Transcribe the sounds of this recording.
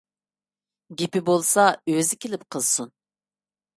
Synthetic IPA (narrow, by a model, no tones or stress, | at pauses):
ɡʲipɪbolˠsɑøzɪkʲʰelɪpqʰəlˠsun